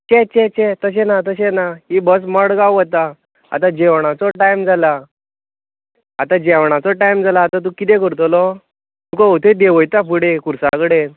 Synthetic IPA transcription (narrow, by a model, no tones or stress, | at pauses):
t͡ɕet͡ɕɛt͡ɕɛt̪əɕ̬ẽnat̪əɕenaɦibəs̬məɽɡawət̪a | a̰t̪ad͡ʑɛʋɳ̃at͡sɔʈajmd͡zʱala | at̪ad͡ʑɛʋɳ̃at͡sɔʈajmd͡zalaːt̪at̪̬ukit̪ɛkəɾt̪ɔlɔ | t̪ukɔut̪ʰed̪eʋəjt̪apuɽekuɾsa̰kəɽe